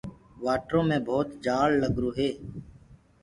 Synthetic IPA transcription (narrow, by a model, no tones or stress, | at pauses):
ʋaːʈɾõːmẽːbʱoːt̪d͡ʒaːlːəɡɾuːɦeː